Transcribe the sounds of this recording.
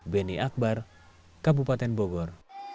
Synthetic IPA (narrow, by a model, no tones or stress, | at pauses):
bɛniʔak̚bar | kabupat̪ɛnbɔɡɔr